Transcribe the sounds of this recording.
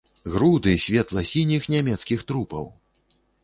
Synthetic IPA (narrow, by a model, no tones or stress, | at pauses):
ɣɾud̪ɨsʲvʲɛt̪lˠɐsʲinʲixnʲamʲɛt̪skʲixt̪ɾupɐ̰w